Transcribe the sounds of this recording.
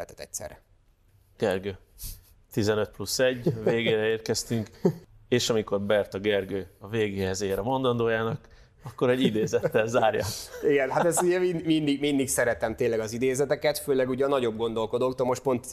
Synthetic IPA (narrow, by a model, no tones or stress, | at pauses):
ɛ̰t̪ɛ̥t̪ɛ̰c̚sɛ̰rɛ̰ | ɡ̥ɛrɡøː | t̪izɛnøt̪̚plusːɛɟːveːɡeːɾɛeːrkɛst̪yŋkeːʃɒmiko̞rbɛrt̪ɒɡɛrɡøːɒveːɡeːhɛzeːɾɛmo̞nd̪ɒnd̪oːjaːnɒk | ɒkːo̞ɾɛɟid̪eːzɛt̪ːɛlzaːrjɒ̰iɡɛnɦat̪ɛsiɟɛminmind̪iɡmind̪iksɛɾɛt̪ɛmt̪eːlɛɡɒzid̪eːzɛt̪ɛkɛt̪føːlɛɡuːɟɒnɒɟo̞b̚ɡo̞nd̪o̞lko̞d̪oːkt̪olmoʃt̪̚po̞nt̪